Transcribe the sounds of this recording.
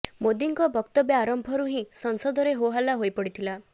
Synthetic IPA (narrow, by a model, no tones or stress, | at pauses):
mod̪iŋkɔbɔkt̪ɔbjɔaɾɔmbʱɔɾuɦĩsɔŋsɔd̪ʱɔɾeɦoɦalaɦojpɔɽit̪ʰila